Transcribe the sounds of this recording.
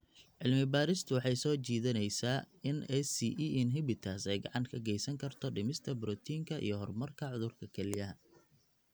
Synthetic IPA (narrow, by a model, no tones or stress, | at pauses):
ʕɪlmɪbaːɾɪst̪ʰʊwɑħɑjsɔːt͡ʃiːðɐnɛjsaː | ɪnɛsiʔɛnɦɪbɪt̪ʰaːsɛjɡɑʕɑŋkʰɐɡɛjsɐŋkʰɐrt̪ʰɔɖɪmɪst̪ʰɐbɾɔt̪ʰiːŋkʰɐʔḭjɞɦɔrmɐrkʰɐʕʊðʊrkʰɐkʰɛlɪjɐɦɐ